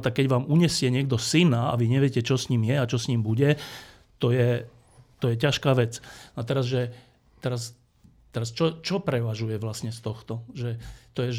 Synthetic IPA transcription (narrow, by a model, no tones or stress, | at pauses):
t̪ak̚kɛɟʋaːmuɲɛsɪɛɲɪɛɡ̚d̪ɔsinaa̰ʋiɲɛʋjɛcɛt͡ʃɔsɲiːmjɛat͡ʃɔsɲiːmbuɟɛ | t̪ɔjɛ | t̪ɔjɛcaʃkaːʋɛt͡snat̪ɛɾazʒɛ | t̪ɛɾas | t̪ɛɾast͡ʃɔt͡ʃɔpɾɛʋaʒujɛʋlasɲɛst̪ɔxt̪ɔʒɛt̪ɔjɛʒ